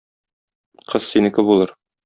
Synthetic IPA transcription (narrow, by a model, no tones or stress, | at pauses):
qʰɤz̥sinɘ̆kɘbulˠɤɾ